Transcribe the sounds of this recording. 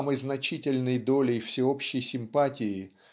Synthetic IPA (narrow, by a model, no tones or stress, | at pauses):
məjznɐt͡ɕitʲɪlʲnɨjd̪o̞lʲɪjfsʲɪopɕːɪjsʲɪmpatʲɪɪ